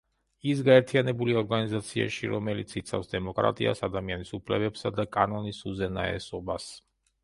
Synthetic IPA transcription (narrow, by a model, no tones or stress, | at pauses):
is̬ɡaɛɾt̪ʰijanɛbuliaɔɾɡanizat̪sʰia̰ʃiɾɔmɛlit̪sʰit̪sʰa̰fsd̪ɛmɔkʼɾa̰t̪ʼia̰sad̪amianisupʰlɛbɛpsad̪akʼanɔnisuzɛnaɛ̰sɔbas